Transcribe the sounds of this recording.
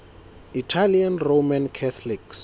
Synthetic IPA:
itʰalianromankʰɛt̪ʰliks

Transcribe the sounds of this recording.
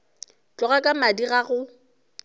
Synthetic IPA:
t͡ɬʼɔɣakʼamadiɣaɣʊ

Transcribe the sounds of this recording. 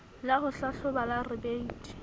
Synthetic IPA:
laχʊɬaɬʊbalarɪbeitʼi̥

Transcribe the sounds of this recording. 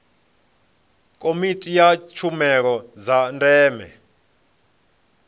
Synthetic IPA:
kʼomitʼijat͡ʃʰumɛɺ̬ɔzandʼɛːmɛ̰

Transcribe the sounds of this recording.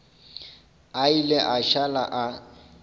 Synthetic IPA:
aileʔaʃalaʔa

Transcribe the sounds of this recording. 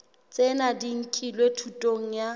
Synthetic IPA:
t͡sʼenadiŋ̩kʰʼilwetʰutʼoŋ̩ja

